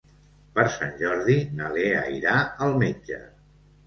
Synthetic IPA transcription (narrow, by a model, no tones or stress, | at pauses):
pəɾsa̰nʲʒɔɾðinəleə̰iɾaəlˠmed͡ʒə̰